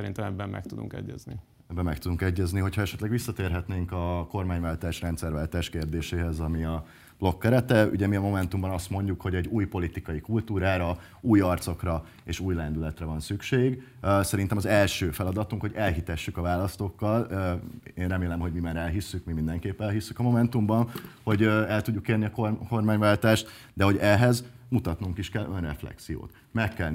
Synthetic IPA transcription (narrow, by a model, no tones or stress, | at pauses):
sɛɾint̪ɛmɛbːɛmmɛ̰k̚t̪ud̪ṵŋkɛ̰ɟːɛ̰znḭ | ɛbːɛmːɛkt̪ud̪uŋkɛɟːɛzniɦo̞cʰhɒɛʃɛt̪lɛɡʋisːɒt̪eːrɦɛt̪neːŋkɒko̞rmaːɲvaːlt̪aːʃrɛnt̪sɛrʋaːlt̪aːʃkeːrd̪eːʃeːɦɛzɒmiɒ | b̥lo̞kːɛɾɛt̪ɛy̰ɟɛmiɒmo̞mɛnt̪umbɒnɒst̪mo̞ɲɟukho̞ɟɛɟːuːjpo̞lit̪ikɒjikult̪uːɾaːɾɒ | uːjɒrt̪so̞krɒ | eːʃuːjlɛnd̪ylɛt̪rɛvɒnsykʃeːɡ | sɛɾint̪ɛmɒzɛlʃøːfɛlɒd̪ɒt̪uŋkho̞ɟɛlɦit̪ɛʃːykɒvaːlɒst̪o̞kːɒløeːnrɛmeːlɛmɦo̞ɟmimaːɾɛlɦisːykmimind̪ɛŋkeːpːɛlɦisːykɒmo̞mɛn̪t̪umbɒnho̞ɟøɛlt̪uɟːukeːrniɒkorko̞rmaːɲvaːlt̪aːʃt̪ | d̪ɛɦo̞ɟɛɦɛzmut̪ɒt̪nuŋkiʃkɛlʔønrɛ̰flɛ̰ksijo̰ːt̪ | mɛkːɛl